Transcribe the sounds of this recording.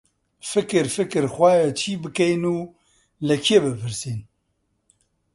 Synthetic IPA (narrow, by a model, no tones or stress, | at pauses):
fɨkɨɾfɨkɨɾxwaːjat͡ʃʰiːbɨkɛjnuː | lɛkʰiebɨpʰɨɾsiːn